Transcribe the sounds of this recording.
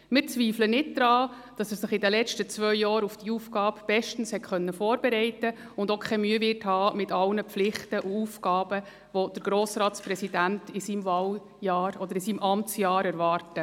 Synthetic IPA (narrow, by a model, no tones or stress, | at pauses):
mɪɾt͡sʋiːflənɪt̚d̥̪ɾɑː | d̥ɑsɛssɪχɪdəlɛt͡ʃtət͡svœʏjɑːɾufd̥iuːfkɑːpb̥ɛʃtn̩shɛtχœnːəfɔːɾbɛɾɛɪtə | ʊndokʰɛmyəvɪthɑːmɪtɑlnəpflɪχtəʔuuːfkɑːb̥ə | ʋod̥əɾɡ̥ɾoːsɾɑːtspɾɛsidæntɪsiːmvɑːl | jɑːɾɔd̪əɾɪsiːmʔɑmt͡sjɑːɾɛɾʋɑːrtə